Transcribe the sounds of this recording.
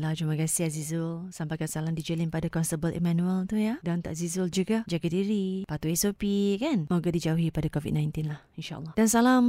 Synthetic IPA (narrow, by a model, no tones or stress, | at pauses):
lad͡ʒumãkasiazizʊlsampajkansalamdid͡ʒəlinpadakɔnst̪əbəlʔḭmãnũəlt̪ujadant̪a̰ʔzizuld͡ʒuɡad͡ʒaɡadiɾipat̪uesopikanmoɡadid͡ʒauɦipadakovḭd̚nãjnt̪inlahinʃa̰ʔə̰lːɑhdansalam